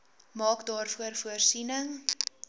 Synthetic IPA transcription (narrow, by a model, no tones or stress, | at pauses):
mɑːkdɑːrfuərfuərsinəŋ